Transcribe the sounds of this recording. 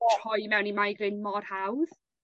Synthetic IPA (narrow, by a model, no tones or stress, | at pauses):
ɔrhɔɨmɛwnimajɡrɪnmɔrhawð̥